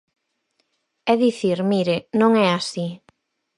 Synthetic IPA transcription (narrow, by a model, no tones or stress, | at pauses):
ɛðiθiɾmiɾenõŋɛasi